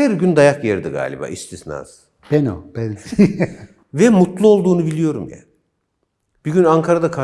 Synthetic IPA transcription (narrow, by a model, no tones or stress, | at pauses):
æɾɟynd̪ajakjeɾd̪iɡa̰ːlʲḭba̰ːʔist̪ʰisna̰ːz | b̥ɛnobɛlʲcʰi | vɛmut̪lˠuo̞lˠd̪uːnubilʲijo̞ɾumja̰ | b̥iɟynaŋkʰaɾad̪akʰa